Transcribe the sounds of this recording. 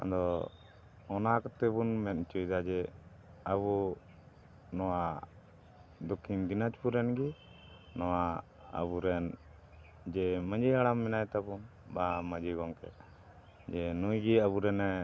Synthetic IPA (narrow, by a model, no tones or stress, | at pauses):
ɔ̰d̪ɔ | ɔnakɔt̪ɛbunmɛt̪̚ˀt͡ʃujd̪ad͡ʒɛ | əbu | nɔwa | d̪ɔkʰːind̪inat͡ʃpuɾɛnɡi | nɔwa | ə̰buɾɛn | d͡ʒɛməd͡ʒiaɽamːɛnajt̪abun | baməd͡ʒiɡɔŋkɛ̰ | d͡ʒɛnujɡiəbuɾɛnɛ